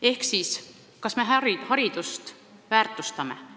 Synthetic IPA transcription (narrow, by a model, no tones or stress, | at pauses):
e̞hksiːs | kɑsme̞ɦæɾihɑɾid̪̥ust̪ | væːrt̪ːˑust̪ɑme̞̰